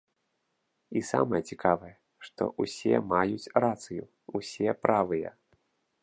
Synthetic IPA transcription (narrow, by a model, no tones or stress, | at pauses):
isa̰mɐjɛt͡sʲikavɐjɛ | ʂt̪ɔ̰ʔusʲɛ̰majut͡sʲrat̪sɨju | usʲɛpɾʔavɨjɛ̰